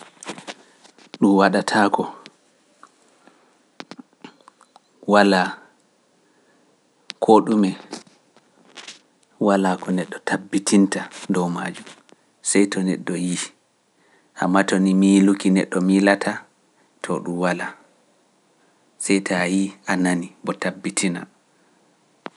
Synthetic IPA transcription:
ɗumwaɗatʰakɔ | wala | kʰoɗumɛ | walakɔnɛɗːɔtʰabːitʰintadɔwma̰ːd͡ʒum | sɛjtɔnɛ̰ɗːɔji | ʔamːatɔnimiːlukinɛ̰ɗːɔmilatʰa | tʰɔɗumwala | sɛjtʰajiʔananibɔtabːitʰina̰

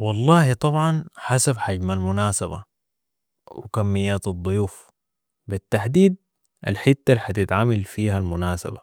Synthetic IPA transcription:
wɑlˤːɑːhit̪ˤɑbʕɑnħasabħaɟmalmʊnaːsaba̰ | wɪ̰kamːijːaːt̪ɑd̪ˤːʊjuːf | bit̪ːaħd̪iːd̪̚ | ʔa̰lħɪt̪ːalħat̪ɪt̪ʕamalfiːɦalmʊnaːsa̰ba

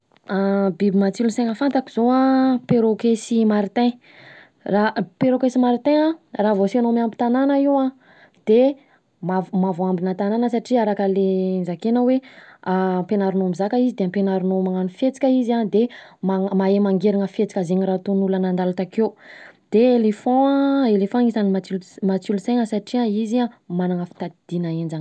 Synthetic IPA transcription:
abibimat͡siluseŋəfant̪akiz̥oãpeɾokesimaɾit̪ẽ | rapeɾokesimaɾit̪ẽaraːvosanomambi̥t̪ananəiwã | d̪̥e | mavmavoambinat̪ananəsaʈ͡ʂiaɾakəlenzakenaweampenaɾunomizakəizid̪eampenaɾunomaŋanufet͡si̥kʲəiziand̪emamaemaŋɡeɾiŋəfet͡si̥kʲazeɲirat̪onulənand̪alat̪akewd̪̥eelefɔ̃elefãŋizanimat͡silmat͡suluseŋəsaʈ͡ʂiaiziamanaŋəfi̥t̪ad̪̥inaend͡ʒan

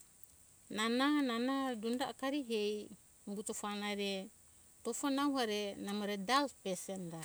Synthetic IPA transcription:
nanananadundaʔkaɾiɦɛj | mbut̪ɔfanaɾɛ | t̪ɔfɔnawɦaɾɛnamoɾɛdalpɛsɛnɾa

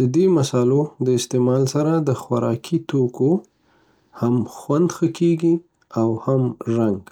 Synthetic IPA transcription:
d̪əd̪emasɑlod̪əɪst̪emɑlsaɾad̪əxwaɾɑkʰit̪oko | hamxwand̪xəkeɡi | awhamʒaŋɡ

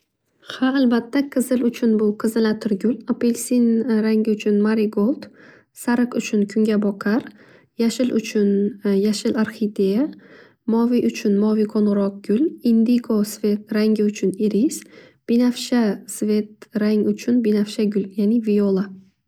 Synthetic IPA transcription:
haːlbat̪ʰːaqʰɨzɪlʊt͡ʃʰʊnbʊqʰɨzɪlat̪ʰɪɾɡʲʊlapʰelʲsinɾaŋɡʲɪʊt͡ʃʰʊnmaɾiɡolˠt̪ | saɾɨqʊt͡ʃʰʊnkʰʊŋɡʲabɒqʰaɾ | jaʃɪlʊ̰t͡ʃʰʊnjaʃɪlaɾχid̪eja | mɒviʔʊt͡ʃʰʊnmɒviqʰonʁɾɒq̚ɡ̥ʲʊlind̪iɡosvʲe̞t̪ɾaŋɡʲɪʊt͡ʃʰʊniɾis | b̥inafʃasve̞t̪̚ɾaŋʊt͡ʃʰʊnbinafʃaɡʲʊljanɪvijolˠa

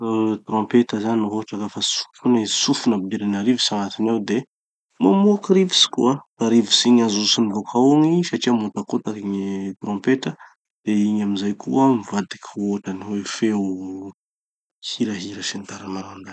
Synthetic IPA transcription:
t̪ɾɔ̃mpet̪əzannuɦoʈ͡ʂakafasu̥kʲunasufunabd̪iɾanaɾivisaŋat̪inawd̪e | mamuakiɾivi̥si̥kʲṵat̪aɾivisiɲazuusinivokʰauŋisaʈ͡ʂiamut̪akot̪akiɲit̪ɾɔ̃mpet̪ə | d̪̥eiɲamizajkʰuamivad̪ikʲoʈ͡ʂaniwefe | hiɾəɦiɾəsent̪aɾamaɾand̪ḁ

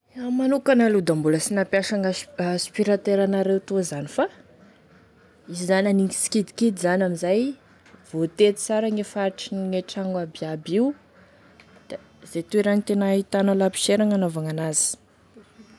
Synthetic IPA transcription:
amanukanəlud̪ambuləsinapjaʃaŋaspiɾat̪eɾanaɾewt̪uzanifa | izizanʲaniŋi̥si̥kid̪i̥kid̪izanamizaj | v̥ot̪et̪i̥t͡saɾaŋefaɾiʈ͡ʂiŋeʈ͡ʂaŋɡabiabiw | d̪̥a | zet̪ueɾanit̪enait̪analapi̥ʃeɾaŋanovaŋanazi̥

